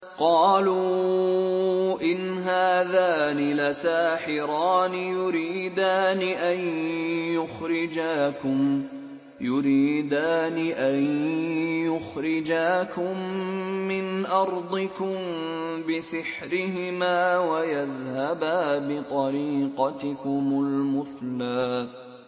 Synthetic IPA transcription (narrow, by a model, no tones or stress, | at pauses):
qɑːlu | ʔɪnɦaːðaːnɪlasaːħɪɾaːnɪjʊɾiːd̪aːnɪʔanjʊxɾɪd͡ʒaːkʊm | jʊɾiːd̪aːniʔan | jʊxɾɪd͡ʒaːkʊmː | ɪnʔɑɾˤd̪ˤɨkʊmbɪsɪħɾɪɦɪmaːwajaðhabaːbɪt̪ˤɑɾiːqɑt̪ɪkʊmʊlmʊθlaː